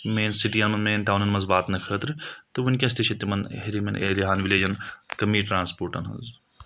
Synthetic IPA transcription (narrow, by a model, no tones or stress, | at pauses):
meːnsiʈijɐnmɐnmeːnʈ̪aːnɐnmɐnzʋaːt̪nɐkʰəːt̪ɾɨt̪ɨʋɐnʲkʲɐ̃s̬t̪iʃɐt̪ːimɐnɦeɾimɐnʔḛːliɦaːnʋileːd͡ʒɐnkɐmiːʈɾãːnspoːɾʈɐ̰nɦɐ̰nz